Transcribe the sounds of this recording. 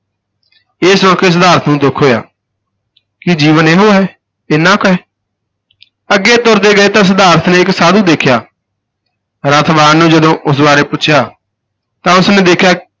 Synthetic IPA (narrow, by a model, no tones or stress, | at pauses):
ɪːsãːkʰeːs̬əd̪aːɾət̪ʰnũːd̪ʊkʰːoːja̰ː | kɪd͡ʒiːʋəneːɦoːɦɛː | ɪːnãːkɛ | əɡːeːt̪ʊɾd̪eːɡəeːt̪ãːs̬əd̪aːɾət̪ʰnẽːɪksaːd̪ũːd̪eːkʰjaː | ɾət̪ʰbaːnnːũːd͡ʒəd̪õːʔʊs̬baːɾeːpʊʃʰjaː | t̪ãːʊsnẽːd̪eːkʰjaː